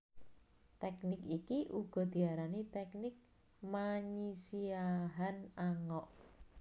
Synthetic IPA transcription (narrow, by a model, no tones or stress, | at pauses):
t̪ɛknɪkikiʔuɡ̥ɔ̤d̪̥i̤aɾanit̪ɛknɪk̚ | maɲisiaɦanaŋɔʔ